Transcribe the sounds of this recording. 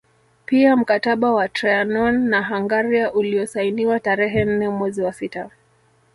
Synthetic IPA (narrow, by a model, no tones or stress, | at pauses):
piam̩kataɓawatɾaanɔnːaɦaŋɡaɾiaʔuliɔsainiwataɾɛɦɛn̩nɛmwɛziwasita